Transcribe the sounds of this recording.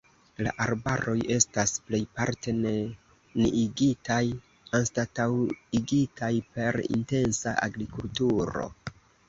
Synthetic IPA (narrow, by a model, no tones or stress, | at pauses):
la̰ʔaɾbaɾo̞je̞stasple̞jpaɾte̞ne | niiɡitaj | anstatawiɡitʰajpe̞ɾḭnte̞nsaʔaɡɾikultuɾo̞̰